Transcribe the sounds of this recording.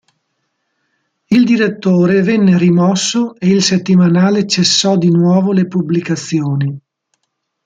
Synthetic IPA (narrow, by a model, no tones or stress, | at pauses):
ild̪iɾet̪ːoːɾevɛnːerimɔsːoeilset̪ːimanaːlet͡ʃesːɔd̪inwɔːvolepublikat̪sːjoːni